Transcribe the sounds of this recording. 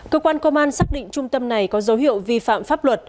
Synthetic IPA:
kəː˧kwaː˧nkə˧ʔaː˧nsaː˦˥k̚ɗḭ̈˧˨ŋ̟t͡ɕʊ˧ŋ͡mt̪ə˧mna˨˩jkɔ˨˦zə˨˦wɦḭ˧˨ə˨wvi˧fa̰ː˧˨mfaː˦˥p̚lwə˨˩t̚

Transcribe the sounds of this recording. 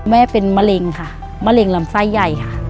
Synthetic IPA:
mɛː˦˥˨pe˧nma˧le˧ŋkʰa˧˩ | maː˧˥le˧ŋla˧˦msa˧˥˩jːa˧˩jkʰa˧˩˨

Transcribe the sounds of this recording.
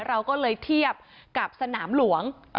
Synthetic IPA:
ɾa˧wkɔː˥˩lɤː˧jt̪ʰi˥˩əp̚ka˨˩p̚sa˧naː˩˦mlu˩˦əŋ

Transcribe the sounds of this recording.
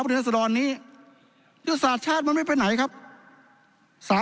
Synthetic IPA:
p̪ʰeː˧˩˥sa˧dɔː˧nːiː˦˥˩ | ju˦˥saː˨˩t̪̚t͡ɕʰaː˥˩t̪̚ma˧nma˥˩jpe˧nːa˩˦jkʰa˦˥p̚ | saː˨˦

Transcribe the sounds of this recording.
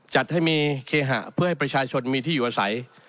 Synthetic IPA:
t͡ɕa˨˩t̪̚ha˥˩jmiː˧kʰeː˧ɦa̰˨˩ʔpʰɯ˥˩ha˥˩jpɾa˧t͡ɕʰaː˧t͡ɕʰo˧nmiː˧t̪ʰiː˥˩juː˨˩ʔaː˧sa̰˩˦j

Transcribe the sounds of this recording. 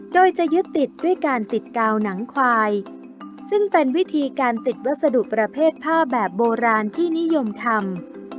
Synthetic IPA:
doː˧jt͡ɕa˨˩ʔjɯ˦˥t̪ːi˨˩t̪̚du˥˩əjkaː˧nt̪i˨˩t̪̚kaː˧wna˩˦ŋkʰwaː˧j | sɯ˥˩ŋpe˧nwi˦˥t̪ʰiː˧kaː˧nt̪i˨˩t̪̚wa˦˥t̪̚sa˧du˨˩ʔpɾa˧pʰeː˥˩t̪̚pʰaː˥˩p̚bɛː˨˩p̚boː˧ɾaː˧nt̪ʰiː˥˩ni˦˥jo˧mt̪ʰa˧m

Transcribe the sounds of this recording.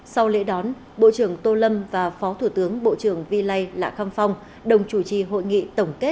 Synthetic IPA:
sa˧wlḛ˧˥ɗɔ˨˦n | ɓo̰˧˨t͡ɕɨ˧˩əŋt̪o˧lə˧mvaː˨˩fɔ˨˦t̪ʰu˧˩t̪ɨ˨˦əŋɓo̰˧˨t͡ɕɨ˧˩əŋvi˧la˧jla̰ː˧˨xaː˧mfa˧wŋ͡m | ɗə˨˩wŋ͡mt͡ɕu˧˩t͡ɕi˨˩ɦo̰˧˨jŋḭ˧˨t̪ə˧˩wŋ͡mke˦˥t̚

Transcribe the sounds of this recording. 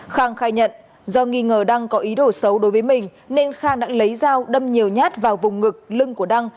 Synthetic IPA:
xaː˧˩ŋxaː˧jɲə̰˧˨n | zɔ˧ŋi˧ŋəː˧˩ɗa˧ŋkɔ˨˦ʔi˨˦ɗo˧˩sə˨˦wɗo˨˦jvəː˨˦jmï˨˩ŋ̟ | ne˧nxaː˧ŋɗa̰ː˧˥lə˨˦jzaː˧wɗə˧mɲi˨˩əwɲaː˦˥t̚vaː˨˩wvʊ˨˩ŋ͡mŋɨ˨˩k̚lɨ˧ŋku˧˩əɗa˧ŋ

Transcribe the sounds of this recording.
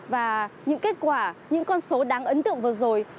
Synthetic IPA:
vaː˨˩ɲɨ̰˧˥ŋke˦˥t̚kwaː˧˩ɲɨ̰˧˥ŋkɔ˧nso˨˦ɗaː˨˦ŋʔə˨˦nt̪ɨ̰˧˨əŋvɨ˨˩əzo˨˩j

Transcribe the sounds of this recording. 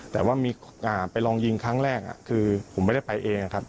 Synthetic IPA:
t̪ɛː˨˩waː˥˩miː˧ʔaː˨˩pa˧jlɔː˧ŋji˧ŋkʰɾaː˦˥ŋɾɛː˥˩k̚ʔa̰˨˩kʰɯː˧pʰo˩˦mː˥˩da˥˩jpa˧jʔeː˧ŋa˧˩kʰa˦˥p̚

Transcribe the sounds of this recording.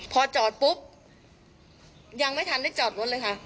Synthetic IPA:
pʰɔː˧t͡ɕɔː˨˩t̪̚pu˦˥p̚ | ja˧ŋma˥˩jt̪ʰa˧nda˥˩jt͡ɕɔː˨˩t̪̚wo˦˥n̚lɤː˧jkʰa˦˥˩

